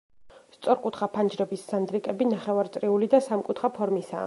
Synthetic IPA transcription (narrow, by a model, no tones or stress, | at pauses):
st̪sʼɔɾkʼut̪ʰχapʰand͡ʒɾɛbisːand̪ɾikʼɛbinaχɛvaɾt̪sʼɾiulid̪asamkʼut̪ʰχapʰɔɾmisa̰